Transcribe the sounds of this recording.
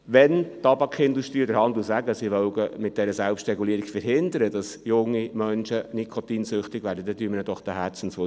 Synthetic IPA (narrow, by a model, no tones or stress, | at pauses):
ʋɛntɑbɑkχɪnduʃtɾiːod̪əɾhɑnd̪usæɡəsiʋœʊɡəmɪt̚d̥ɛɾəsɛlpstɾɛɡuliːəɾiɡ̥fəɾɦɪnd̪əɾədɑsjʊŋːimœnʃənikʰɔt̪iːnsʏχtɪɡ̥væːɾdədɛd̥yːmənəd̥ɔχd̥əɦæt͡sn̩sʋo